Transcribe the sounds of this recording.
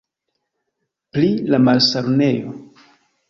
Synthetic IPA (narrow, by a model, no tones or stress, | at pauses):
plilamalsaɾne̞jo̰